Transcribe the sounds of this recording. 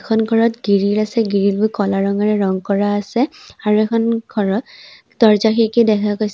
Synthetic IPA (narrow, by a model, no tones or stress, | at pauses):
kʰɔnɡʱɔɹɔtɡiɹiɹasɛɡiɹilbʊjkɔlaɹɔŋaɹɛɹɔŋkɔɹaːsɛaɹuɛkʰɔnɡʱɔɹɔt | tɔɹzaxʰikedɛkʰakojs